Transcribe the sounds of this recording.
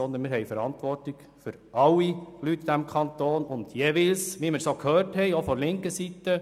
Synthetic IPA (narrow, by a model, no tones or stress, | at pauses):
ɔnd̪ənmɪɾhɛɪfəɾɑnt̪ʋɔɾtlɪɡ̥ | fʏɾʔɑlːilytːd̥æmkʰɑnt̪oːnʊnd̥jeʋɪlsʋiməɾsoːkhøːrthɛɪofɔɾlɪŋkəsit̪ə